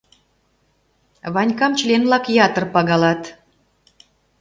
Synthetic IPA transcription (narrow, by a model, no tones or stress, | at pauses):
βɑnʲkɑmt͡ɕlʲenlɑkjɑt̪ərpɑɣɑlɑt̪